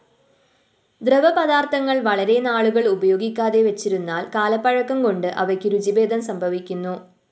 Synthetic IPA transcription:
d̪rɐʋɐpɐðaːrt̪ʰɐŋːɐɭʋɐɭɐɾe̞naːɭuɣɐɭubɐjo̞ːɡikʲːaːðe̞ʋɐt͡ɕːiɾunːaːlkaːlɐpːɐɻɐkːɐmko̞ɳɖɨʔɐʋɐkːiɾud͡ʑibe̞ːd̪ɐmsɐmbʱɐʋikʲːunːu

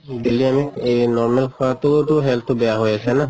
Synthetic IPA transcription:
deliamikejnɔɹmelkʰɔwat̪ootuɦɛltʰobɛjaɦojasɛna

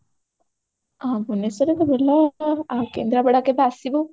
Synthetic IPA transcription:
abunesɔɾekebelaakḛnd̪ɾabɛɽakebasibu

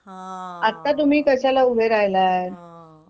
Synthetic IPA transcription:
at̪ːat̪̬um̤iːkəɕalaubʱeɾaɦlaɾ

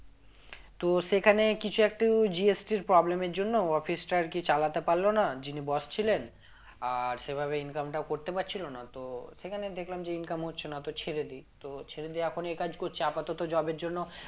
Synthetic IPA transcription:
t̪oʃekʰanekit͡ɕʰuɛk̚ʈid͡ʑiesʈiɾpɾɔblemeɾd͡ʑonːoɔfisʈaɾkit͡ɕalat̪epaɾlonad͡ʑinibɔst͡ɕʰilen | aɾʃebʱaβeinkamʈakoɾt̪epaɾt͡ɕʰilonat̪oʃekʰaned̪ekʰlamd͡ʑeinkamɦotːɕʰenat̪ot͡ɕʰeɾed̪it̪ot͡ɕʰeɾed̪iɛkʰonekad͡ʑkoɾt͡ɕʰeapat̪ɔt̪od͡ʑɔbeɾd͡ʑonːo

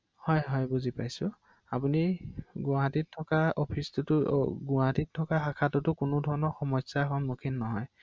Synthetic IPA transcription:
hɔjɦɔjbuzipajsʊ | apuniɡʊaɦatitʰːɔkaɔpʰistʊtʊɡʊaɦatitʰːɔkaxakʰatʊtʊkʊnʊdʱɔɹɔnɔɹxɔmɔsakɔnmukʰinːɔɦɔj

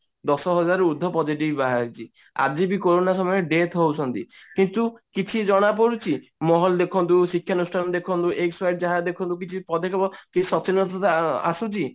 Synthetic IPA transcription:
d̪ɔsɔɦɔd͡ʒaɾud̪ʱːɔpɔd͡ʒiʈibbaɦaɾt͡ʃʰi | a̰d͡ʒibikoɾonasɔmɔjeɖet̪ɦowt͡ʃʰɔnt̪i | kint̪ukit͡ʃʰid͡ʒɔɽ̃ap̬ɔɾut͡ʃʰimɔɦɔld̪ekʰɔnt̪̬usikʰjanusʈʰand̪ekʰɔnt̪uʔeksfajʈd͡ʒaɦad̪ekʰɔnt̪uk̬it͡ʃʰipɔd̪ʱekʰɔbɔkisɔt͡ʃinːɔt̪ɔt̪a̰sut͡ʃʰi

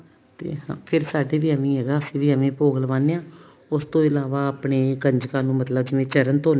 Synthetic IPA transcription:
t̪ḛːɦãːpʰɪɾsaːɖeːʋiːəmẽːɦeːɡaːəsĩːʋiːəmẽːpoːɡəlʋãːnːeːãː | ʊst̪õːɪlaːʋaːəpɳeːɡəɲd͡ʒkãːnũːmət̪ləbd͡ʒɪʋẽːt͡ʃəɾənt̪oːn

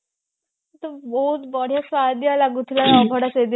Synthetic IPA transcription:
t̪əboɦut̪bɔɽ̤jasʋad̪jalaɡut̪ʰlaɾɔbʱəɽased̪i

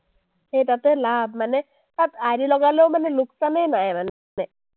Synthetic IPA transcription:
ɦet̪at̪elabmane | t̪at̪aɾilɔɡalewmaneluksanejnajman | ne

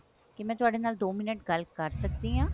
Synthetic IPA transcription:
kɪmɛ̃ːt̪ʊaːɖeːnaːld̪oːmɪnəʈɡəlkəɾsək̚d̪iɦãː

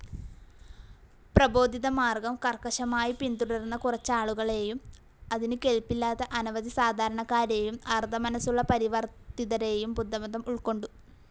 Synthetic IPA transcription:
prɐbo̞ːd̪ʱiðɐmaːrɡɐmkɐrkɐʂɐmaːjipint̪uɽɐrunːɐkurɐt͡ɕːaːɭuɣɐɭe̞ːjum | ɐðinɨke̞lpːilːaːt̪ːɐʔɐnɐʋɐd̪isaːd̪ʱaːɾɐɳɐkːaːɾe̞ːjumɐrd̪ɐmɐnɐsuɭːɐpɐɾiʋɐrt̪ːiðɐɾe̞ːjumbud̪ʱːɐmɐnd̪ɐmuɭko̞ɳɖu

